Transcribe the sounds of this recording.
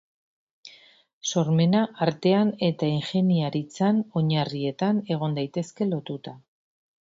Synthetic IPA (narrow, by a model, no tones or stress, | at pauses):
so̞ɾme̞naʔaɾt̪e̞ane̞t̪aiŋxe̞niaɾit͡sano̞ɲarie̞t̪ane̞ɣ̞o̞nd̪ajt̪e̞ske̞lo̞t̪ut̪a